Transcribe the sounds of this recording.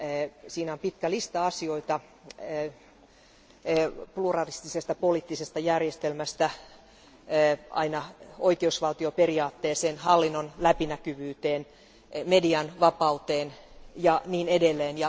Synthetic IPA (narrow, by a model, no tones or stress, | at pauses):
siːnæompit̪kælist̪ɑɑsio̞it̪ɑ | plurɑlist̪isest̪ɑpoliːt̪ːisest̪ɑjærjest̪elmæst̪æ | ɑ̰inɑoikeusʋɑlt̪iopeɾiɑːt̪ːeːseːnhɑlːinːonlæpinækyʋyːt̪eːn | mediɑnʋɑpɑut̪eːnjɑniːnedelːeːnjɑ